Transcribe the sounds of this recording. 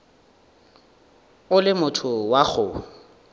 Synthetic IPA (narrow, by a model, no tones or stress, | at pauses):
ʊlɪmʊtʰʊwaɣʊ